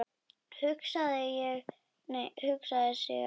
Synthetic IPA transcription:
hʏksaðɪjɛɣ | mɛhʏksaðɪsɛ̰

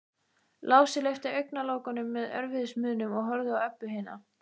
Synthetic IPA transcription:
laːwsɪlejft̪ɪœɥjknaloːwkanʏmːɛðœ̰ɾvɪðɪsmʏːðnʏmɔɣɦɔɾðʏawɛpːʏɦɪːna̰

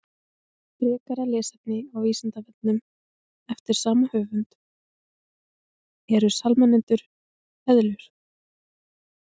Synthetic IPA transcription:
pɾɛːkaɾalɛːsɛp̪̚nɪawviːsant̪avɛt̪nʏm | ɛft̪ɪɾ̥saːmahœːvʏnt̪ | ɛɾʏ̥salmanːɪnt̪ʏɾ̥ | ɛðlʏɾ̥

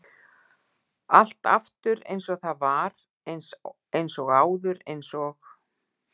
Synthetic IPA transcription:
al̥t̪a̰ft̪ʏɾḛjnsɔɣθaðvaɾ | ejnsɔɣaːwðʏɾejnsɔx

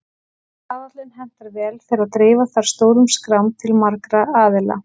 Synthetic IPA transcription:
aːvat̪lɛnɦɛm̥t̪aɾvɛːlfɪɾɪɾaðt̪ɾɪːvaθaɾ̥st̪oːwɾʏmskɾawmt̪ʰɪlmaɾkɾaaːðɪla̰

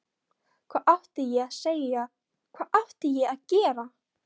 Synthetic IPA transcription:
kʰv̥aːʔaht̪ɪjɛɣaðseːja | kʰvaːʔaht̪ɪjɛaðcɛːɾa

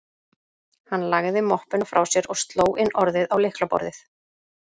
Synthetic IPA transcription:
hanːlaɣðɪmɔhpɪnafɾʔawsjɛɾɔɣst̪loːwʔɪnːʔɔɾðɪðawlɪhklapɔ̰ɾðɪθ

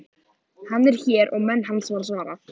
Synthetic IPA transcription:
hanːɛɾ̥çɛːɾɔɣmɛnːhɦansvaːɾasvaːɾa

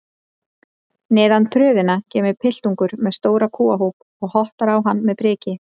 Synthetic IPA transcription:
nɛːðant̪ʰɾʏːðɪnacɛːmɪɾpʰɪl̥t̪uŋkʏɾmɛðst̪oːwɾakʰuːaɦowp | ɔɣhɔht̪aɾawɦanːmɛðpɾɪːcɪ

